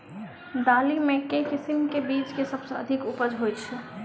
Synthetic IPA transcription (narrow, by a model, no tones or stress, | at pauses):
d̪aːlimẽkekɪsɪmkebiːt͡ʃkesɐbseɐ̰d̪ʱɪkʊpəd͡ʒɦojt͡ʃʰɛ